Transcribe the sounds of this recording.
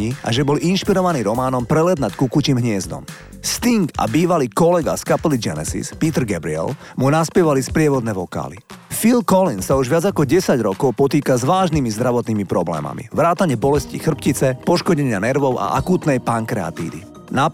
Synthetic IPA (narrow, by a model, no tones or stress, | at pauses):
iʔa̰ʒɛbɔlʔinʃpiɾɔʋaniːɾɔmaːnɔmpɾɛlɛd̪nackukuciːmɦɲɪɛzd̪ɔ̰m | st̪iŋɡa̰biːʋaliːkɔlɛɡa̰skapɛlid͡ʒɛnɛsḭspiːt̪ɾ̩ɡɛbɾiɛ̰l | munaspjɛʋalispɾɪɛʋɔd̪nɛːʋɔka̰ːlḭfilkɔlinsauʒʋɪad͡zakɔɟɛsaɟɾɔkɔʊpɔt̪iːkazʋaːʒnimizd̪ɾaʋɔt̪niːmipɾɔblɛ̰ːma̰mḭʋɾaːt̪aɲɪɛbɔlɛscḭxr̩pcit͡sɛpɔʃkɔɟɛɲɪanɛɾʋɔʊʔa̰ʔakuːt̪nɛjpaŋkɾɛa̰t̪ḭːʋḭ | na